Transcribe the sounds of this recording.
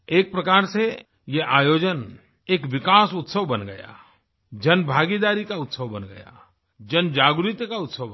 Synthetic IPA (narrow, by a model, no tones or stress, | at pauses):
eːk̚pɾɐkaːɾse | jeʔaːjoːd͡ʒən | eːkʋɪkaːsʊt̪səʋbɐnɡɐja̰ː | d͡ʒɐnbʱaːɡid̪aːɾikaʊt̪səʋbənɡɐ̰ja̰ː | d͡ʒənd͡ʒaːɡɾɪt̪jəkaʊt̪səʋ